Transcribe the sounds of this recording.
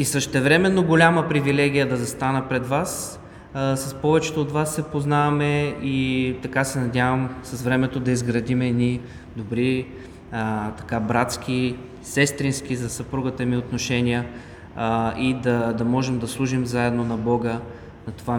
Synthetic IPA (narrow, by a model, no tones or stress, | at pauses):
isəʃt̪ɛvɾɛmɛnːoɡolʲaməpɾivilɛɡ̟ʲijəd̪ɐzɐst̪anəpɾɛd̪vas | sɐspɔvɛt͡ʃɛ̥t̪oːt̪vasːɛpoznavɐmɛit̪ɐkasɛnɐd̪ʲavɐmsɐzvɾɛmɛt̪od̪ɐizɡɾɐd̪imɛd̪ni | d̪obɾi | t̪ɐ̥kabɾat̪sk̟ʲi | sɛst̪ɾinsk̟ʲizɐsɐpɾuɡət̪əmiot̪noʃɛnʲijə | id̪ɐd̪ɐmɔʒɛmd̪ɐslˠuʒimzaɛd̪nonɐbɔɡə | nɐt̪ova